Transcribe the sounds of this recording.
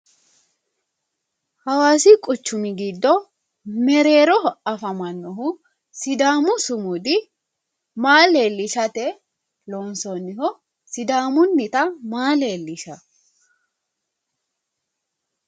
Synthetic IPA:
hɐwaːsɪkʼʊt͡ʃːʊmɪɡɪd̪ːɔ | mɛɾe̞ːɾɔɔɐfɐmɐnːɔɦʊ | sɪd̪aːmʊsʊmʊd̪ɪ | maːleːlːɪʃɐt̪ɛ | loːnsɔnːɪhɔ | sɪd̪aːmʊnːɪt̪ɐmaːle̞ːlːɪʃɐ

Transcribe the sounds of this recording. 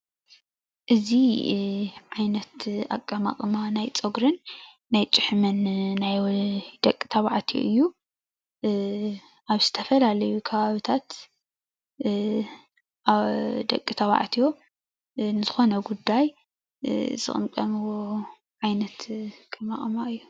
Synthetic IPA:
ʔɨzi | ʕajnɐt̪a̰kʼːama̰kʼɨmanajt͡sʼɐɡɾɨnː | ajt͡ʃʼɪħmɐnːajd̪̥ɐkʼːi̥t̪ʰɐβaʕt̪ʰio̰ʔɨjːu | ʔaβz̥ɨt̪ʰɐfɐlalɐjukʰɐβaβit̪ʰat̪ | ʔaβd̪ɐ̰kʼːit̪ʰɐβa̰ʕt̪ʰijo̞ | nɨzɨxo̞nɐɡud̪ːaj | z̥ɨ̰χʼɨ̰mkʼɐmɨwo | ʕajnɐt̪kʰʼɐmaχʼmaʔɨjːu

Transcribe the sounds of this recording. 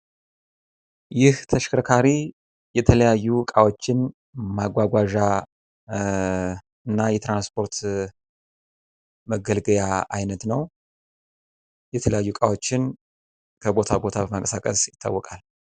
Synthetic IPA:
jɪht̪ʰəʃkɾkʰaɾi | jɛt̪ʰələjajːukʼawo̞t͡ʃːɪn | maɡʷaɡʷaʒa | ɨnːajɛt̪ɾanspʰo̞ɾt̪ | məɡəlɡəjaʔa̰jnət̪nəw | jɛt̪ʰələjajːukʼawo̞t͡ʃːɪn | kʰəbo̞t̪ʰabo̞t̪ʰabəmakʼəsakʼəsjɪt̪ʰːa̰wːɔkʼal

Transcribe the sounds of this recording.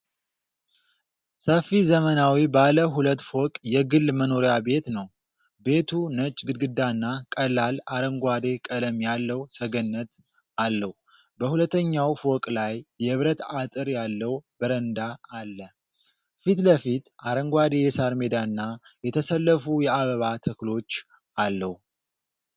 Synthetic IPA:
səfizəmənawibaləɦulət̪ːfokʼjɛɡɨlːməno̞ɾjabe̞t̪nəw | be̞t̪ʰunət͡ʃʼɡɨd̪ɡɨd̪ːanːakʼəlːalaɾəŋɡʷad̪e̞kʼələmjalːəwsəɡənːət̪ | alːəhu | bəhulət̪ːəɲːawfo̞kʼlajːɛɨβɾət̪at̪ʼɨɾjalːəwbəɾənd̪aːlːə | fit̪ləfit̪ʔaɾəŋɡwad̪ejɛsaɾme̞d̪aɨnːajɛt̪ʰəsəlːəfujɛaβəβat̪ʰəklo̞t͡ʃː | ʔalːəhu

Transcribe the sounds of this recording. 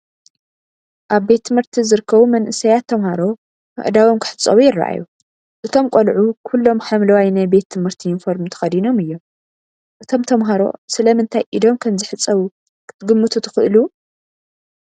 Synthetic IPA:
ʔaβbe̞t̪ʰːɨmhɨɾt̪ʰizɨɾɨkʰːɐβumɐnʔɨsɐjat̪ʰːɐmhaɾo̞ | kɨ̰ʕd̪awomkʰɨ̥ħɨt͡sʼːɐ̰wujɪrːa̰ʔa̰ju | ʔɨt̪ʰo̞mkʼolʕukʰulːo̞mħamlɐwajnajbe̞t̪ʰːɨmhɨɾt̪ʰijɪnfoɾmt̪ʰɐ̥xɐd̪ino̞mɨjːo̞m | ʔɨt̪ʰo̞mt̪ʰɐmɦaɾo̞̰sɨlɐmɨnt̪ʰajʔid̪o̞mkʰɐmzɨħɨt͡sʼːɐβu | kʰɨ̥t̪ʰɨɡɨmːɨt̪ʰut̪ʰɨ̥xɨʔlu

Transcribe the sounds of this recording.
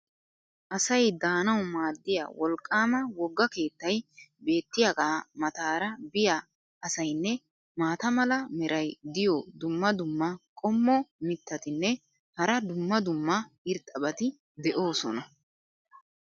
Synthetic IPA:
ʔɐsɐjd̪aːnɐwmaːd̪ːɪja̰wɔlkʼːaːmɐwɔɡːɐke̞ːt̪ːɐjbe̞ːt̪ːɪjaɡaːmɐt̪aːɾɐbɪja | ɐsɐjnːɛ | maːt̪ɐmɐlɐmɛɾʔɐjd̪ɪjɔd̪ʊmːɐd̪ʊmːɐkʼɔmːɔmɪt̪ʰːɐt̪ɪnːɛ | hɐɾɐd̪ʊmːɐd̪ʊmːɐ | ɪɾt̪ʼːɐbɐt̪ɪ | d̪ɛʔo̞ːsɔnɐ

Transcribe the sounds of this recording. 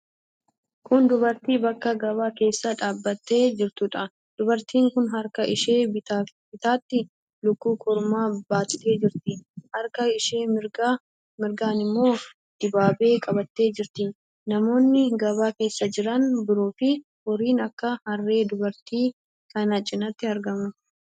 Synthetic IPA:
kʊnd̪ʊbɐɾt̪iːbɐkːɐɡɐβaːke̞ːsːɐᶑaːbːɐt̪ːeːd͡ʒɪɾt̪ʊᶑɐ | d̪̥ʊbɐɾt̪iːŋkʊnɦɐɾkɐʔɪʃeːbɪt̪aːt̪ːɪ | lʊkːuːkʼɔɾmaːbaːt̪t̪e̞ːd͡ʒɪɾt̪ɪhɐɾkɐɪʃeːɪɾ | mɪɾɡaːnɪmːo̞ː | d̪̥ɪbaːbe̞ːkʼɐbɐt̪ːe̞ːd͡ʒɪɾt̪ɪ | nɐmo̞ːnːɪɡɐβaːke̞ːsːɐd͡ʒɪɾɐnbɪɾoːfɪ | hɔɾiːnɐkːɐhɐrːe̞ːd̪ʊbɐɾt̪iː | kɐnɐt͡ʃʼːɪnɐt̪ːɪɐɾɡɐmʊ

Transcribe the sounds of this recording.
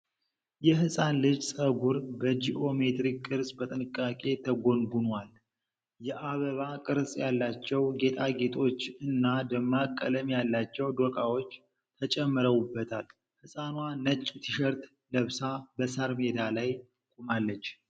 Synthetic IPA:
jɛɦɨsʼanlɨd͡ʒsʼəɡuɾbəd͡ʒiʔo̞me̞t̪ɾikʼːɨɾsʼbət̪ʼɨnɨkʼːakʼe̞t̪ʰəɡo̞nɡunwal | jɛʔaβəβakʼɨɾsʼjalːat͡ʃːɛwɡe̞t̪ʰʼaɡe̞t̪ʰo̞t͡ʃːɨnːad̪əmːakʼːələmjalːat͡ʃːɛwd̪okʼawo̞t͡ʃː | t̪ʰət͡ʃʼɛmːɨɾəwubːət̪ʰal | hɨsʼanwanət͡ʃʼːt̪ʰiʃəɾt̪ | ləβsabəsaɾme̞d̪alaj | kʼumalːət͡ʃː

